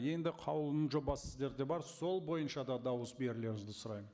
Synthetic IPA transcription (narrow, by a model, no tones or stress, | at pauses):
je̞nd̪ɪqʰɑwlˠənənʒo̞bɑsɪzd̪e̞ɾd̪e̞bɑɾso̞lˠbo̞jənʃɑd̪ɑd̪ɑwəsbe̞ɾɪle̞ɾɪmɪzd̪ɪsʊɾɑj